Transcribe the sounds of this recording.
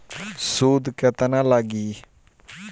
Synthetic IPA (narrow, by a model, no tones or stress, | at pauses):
suːd̪kət̪ənãlaɡiː